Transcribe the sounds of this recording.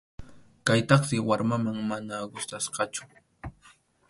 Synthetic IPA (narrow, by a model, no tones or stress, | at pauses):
kajt̪ɑχsɪwaɾmamaŋmanaɢʊst̪asqɑt͡ʃʊ̥